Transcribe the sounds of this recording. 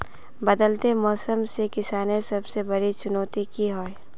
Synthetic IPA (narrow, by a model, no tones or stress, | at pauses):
bɐd̪əlt̪emɔːsəmsekɪsaːnesɐbsebɐɾit͡ʃʊnoːt̪ikiɦoːe